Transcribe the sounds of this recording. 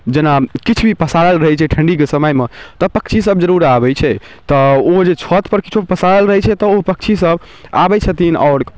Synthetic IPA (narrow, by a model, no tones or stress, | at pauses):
d͡ʒenakit͡ʃʰbʱipəsaɽəlɾəɦɛt͡ʃʰɛʈʰəɳɖik̬esəməjmet̪ɔpəkt͡ʃʰis̬əbd͡ʒəɾuɾabɛt͡ʃʰɛ | t̪ɔod͡ʒet͡ʃʰɔt̪pəɾkit͡ʃʰopəsaɾəlɾəɦɛt͡ʃʰɛt̪ɔopək̚t͡ʃʰisəb | a̰bɛt͡ʃʰət̪inɔ̰ʊɾ